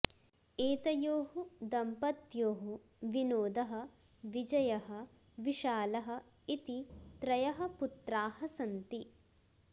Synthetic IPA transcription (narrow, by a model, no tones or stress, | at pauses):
eːt̪ɐjoːɦud̪ɐmpɐt̪joːɦu | ʋinoːd̪ɐɦɐ̆ | ʋid͡ʒɐjɐɦɐ | ʋiʃaːlɐɦɐ̆ | it̪it̪ɾɐjɐɦɐ̆put̪ɾaːhɐsɐnt̪i